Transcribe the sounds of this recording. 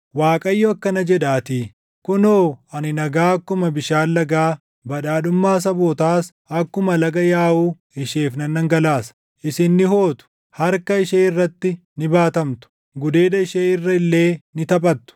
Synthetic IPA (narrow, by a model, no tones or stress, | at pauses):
waːkʼɐjːoɐkːɐnɐd͡ʒɛᶑaːt̪iː | kʊnoːɐnɪnɐɡaːɐkːʊmɐbɪʃaːlːɐɡaː | bɐᶑaːᶑʊmːaːs̬ɐboːt̪aːs | ɐkːʊmɐlɐɡɐjaːʔuː | ɪʃeːfnɐnːɐŋɡɐlaːsɐ̥ | ʔɪsɪnːɪho̞ːt̪ʊ̥ | hɐɾkɐɪʃeːɪrːɐt̪ːɪ | nɪbaːt̪ɐmt̪ʊ̥ | ɡʊd̪e̞ːd̪ɐɪʃeːɪrːɐɪlːe̞ːnɪt̪ɐpʼɐt̪ːʊ̥